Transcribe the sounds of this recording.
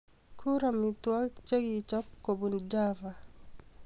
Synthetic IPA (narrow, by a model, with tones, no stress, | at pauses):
kʰu˦ɾami˨twa˦t͡ʃe˦ɡit͡ʃɔ˦p̚ko˨bund͡ʒa˦va˨